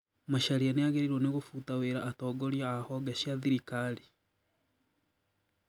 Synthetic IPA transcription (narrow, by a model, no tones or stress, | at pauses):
maʃaɾianejaɣeɾiɾwoneɣofutaweːɾaːtɔːɡoɾjaːhɔɡaʃaðiɾikali